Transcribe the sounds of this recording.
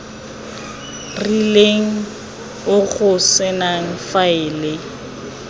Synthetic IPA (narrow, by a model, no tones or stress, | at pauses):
rileŋ̩ | ʊɣʊsɪnaŋ̩faɪːlɪ